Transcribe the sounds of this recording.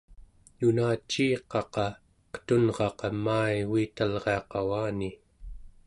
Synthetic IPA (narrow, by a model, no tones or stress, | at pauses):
junaːt͡ʃːiːqɑqɑ | qə̥t̪unʁɑqɑmaːiɣiːt̪alʁeɑqɑwaːni